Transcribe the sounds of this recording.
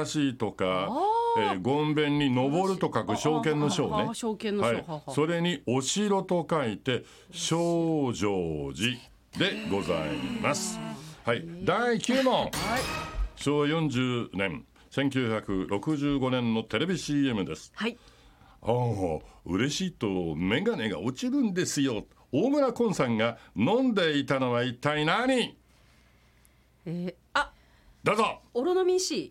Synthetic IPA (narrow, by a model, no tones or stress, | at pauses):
aɕiːt̪o̞kaeːɡõ̞mbẽ̞ɲ̟ʲːino̞bo̞ɾɯ̟t̪o̞kakɯ̟ɕo̞ːkẽ̞nːo̞ɕo̞ːne̞haiso̞ɾe̞ɲ̟io̞ɕiɾo̞t̪o̞kait̪e̞ | ɕoːʑoːd͡ʑi | d̪e̞ɡo̞za̰imasɨ̥haid̪aikʲɨːnõ | ɕo̞ːβajõ̞ɲ̟d͡ʑɨːnẽ̞ŋ | sẽ̞ŋk̬ʲɨːçakɯ̟ɾo̞kɯ̟ʑɨːɡo̞nẽ̞nːo̞t̪e̞ɾe̞bʲiɕiːe̞mɯ̟d̪e̞sɨ̥hai | oːɯ̟̰ɾe̞ɕiːt̪omẽ̞ɡane̞ɡa̰ot͡ɕiɾɯ̟̃nd̪e̞sɨjo̞ | oːmɯ̟ɾakõ̞ɰ̃sãŋɡanõ̞nd̪e̞it̪ano̞βait̪ainaɲ̟i | a | d̪̥azooɾonomʲĩɕi